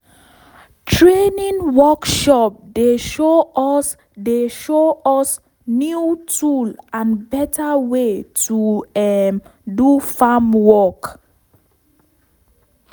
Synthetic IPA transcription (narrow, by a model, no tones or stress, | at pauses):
tʰɹenĩŋwɔkʃɔp̚deʃo | deʃoɔs | njutʰulãnbɛtawetuɛdufamwɔk